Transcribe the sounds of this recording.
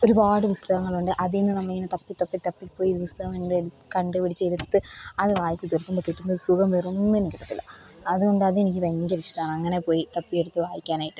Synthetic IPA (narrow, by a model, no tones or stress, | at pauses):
o̞ɾupaːɽɨpust̪ɐɣɐŋːɐɭuɳɖɨʔɐðinːɨnɐmːɐɭiŋːɐnet̪ɐpːit̪ːɐpːit̪ːɐpːikːpːo̞ːjiðɨpust̪ɐɣɐmeɳɖɨu | kɐɳɖɨpiɽit͡ɕːɐeɽut̪ːɨɐðɨʋaːjɐt͡ɕːɨt̪irkːumbokiʈːunːɐoɾusuɡɐmʋerunːuenikʲːiʈːɐt̪ːilːɐ̰ɐðuɣo̞ɳɖɨɐðɨe̞nikʲːɨʋeŋɡɐɾiʂʈɐaːɳɨɐŋːɐne̞po̞ːjit̪ɐpːijeɽut̪ːɨʋaːjikʲːaːnaːjiʈːu